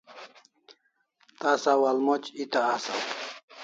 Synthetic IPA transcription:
t̪asawalmot͡ʃit̪aːsaw

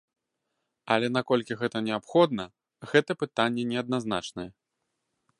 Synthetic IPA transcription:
a̰lʲɛnakɔlʲkʲiɣɛt̪ɐnʲɛapxɔd̪nɐ | ɣɛt̪ɐpɨt̪anʲːɛnʲɛɐd̪̚nazna̰t͡ʂnɐjɛ

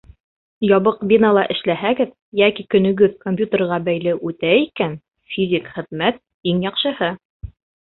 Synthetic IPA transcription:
jɒβɤqbʲinəlˠɑʔɘ̆ʃlæɦæɡɘð | jækikɵ̆nɵ̆ɡɵðkomʲpʲjut̪erʁɑbæjlɘʔʉt̪æikæn | fʲizʲikχɘ̆ðmæt̪̚ | iŋjɑqʃɤ̆hɤ

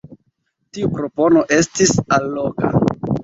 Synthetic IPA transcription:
tiupɾo̞po̞no̞ʔe̞stisalːo̞ka̰

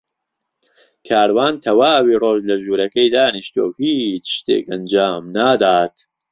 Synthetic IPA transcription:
kʰaːɾwaːnt̪ʰɐwaːwiːroːʒlɐʒuːɾɐkɐjd̪aːniʃt̪o̰ːhiːt͡ʃʃt̪ḛːkɐnd͡ʒaːmnaːd̪aːt̪

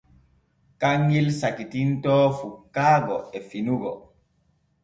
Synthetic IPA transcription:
kaŋːilsakitintɔːfukːaːɡɔɛfinuɡɔ̰

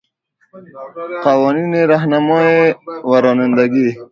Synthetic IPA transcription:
qawɔnineɾaɦnamɔewaɾonɪnd̪aɡi

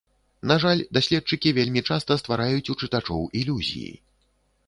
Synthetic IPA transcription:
naʐalʲd̪asʲlʲɛt̪̚t͡ʂɨkʲivʲelʲmʲit͡ʂast̪ɐst̪vaɾajut͡sʲut͡ʂɨt̪at͡ʂɔwilʲuzʲḭjḭ

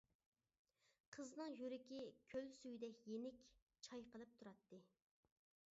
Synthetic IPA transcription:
qʰəznɨŋjyɾɪkʲikʲʰølsyjd̪ɛkʲjenɪkʲ | t͡ʃʰɑjqəlˠɨp̚t̪ʰuɾɑt̪ʰːɨ

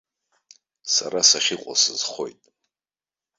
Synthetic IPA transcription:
saɾasaχʲiqʷʼa̰sɨzχo̞jtʼ

